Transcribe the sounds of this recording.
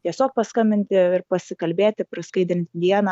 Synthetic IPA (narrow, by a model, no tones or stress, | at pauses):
t̪ʲiɛsʲoːk̚pɐskɐmʲbʲɪnʲt̪ʲɪɪrpɐsʲɪkɐlʲbʲeːt̪ʲɪpɾɐskɐɪd̪ʲɾʲɪnʲt̪ʲd̪ʲiɛnɐ